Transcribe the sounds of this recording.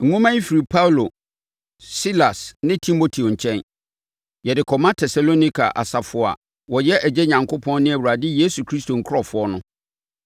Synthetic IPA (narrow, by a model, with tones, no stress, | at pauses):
ŋ̩˨ŋʊ̃˦mã˦i˦fi˨ɾi˨pʰa˦wlo˨ | si˦la˨snɪ̃˦tʰĩ˦mːo˨tʰi˨õ˨ɲ̩˨t͡ɕʰɛ̃˦n | jɛ˨dɪ˨kʰɔ˨mã˦tʰɛ˨sa˨lo˦nĩ˦kʰa̰˨ʔa̰˨sa˨fʊ˨a̰˨ | wɔ˨jɛ˦ʔæ˨d͡ʑɛ˦ɲã˨ŋkʰo˦pʰɔ̃˦nnɪ̃˦æ˨wu˨ɾa˨dɪ˦je˦su˨kʰɾi˦stʰo˨ŋ̩˨kʰɾɔ˨fʊ˨˦ɔ˦nʊ̃˦